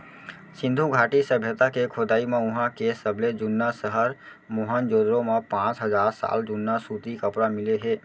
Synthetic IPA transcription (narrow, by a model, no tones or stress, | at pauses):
sɪ̃nd̪ʱuɡʱaːʈisəbʱjət̪akekʰod̪aːimẽʊɦãkesəbled͡ʒʊnːasəɦəɾ | moːɦənd͡ʒoːd̪ɾõmepãːt͡ʃɦəzaːɾsa̰ːld͡ʒʊnːasuːt̪ikəpɽamɪleɦɛː